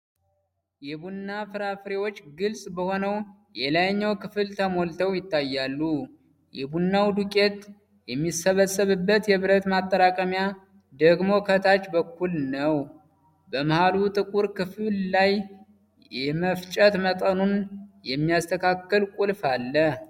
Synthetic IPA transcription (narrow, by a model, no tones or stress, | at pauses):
jɛbunːafɨɾafɾewo̞t͡ʃːɡɨlsʼbəho̞nəw | jɛlajɲːəwkɨfɨlt̪ʰəmo̞lt̪ʰəwjɪt̪ːajːalːu | jɛbunːawd̪ukʼe̞t̪ | jɛmːisːəβəsːəβɨbːət̪jɛβɨɾət̪mat̪ʼːəɾakʼəmja | d̪əɡmo̞kʰət̪ʰat͡ʃːbəkːulnəw | bəmɨhalut̪ʼɨkʼuɾkɨfɨllaj | jɛməft͡ʃʼət̪mət̪ʼənunjɛmːijast̪ʰəkʰakːəlkʼulfalːə